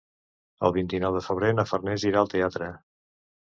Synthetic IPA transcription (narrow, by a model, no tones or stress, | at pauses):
ə̰lˠβint̪inɔwðəfəβ̞ɾenəfərnɛziɾaəlˠt̪eat̪ɾə